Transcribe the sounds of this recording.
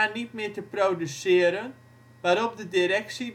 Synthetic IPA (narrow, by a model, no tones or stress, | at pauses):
anit̚mɪːtəprowdysɪəɾən | ʋaːɾɔp̚dədiɾɛksi